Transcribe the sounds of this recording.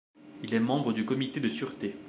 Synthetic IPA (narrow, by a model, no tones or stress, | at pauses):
ilɛmɑ̃bʁəd̪ykɔmit̪ed̪əsyʁt̪e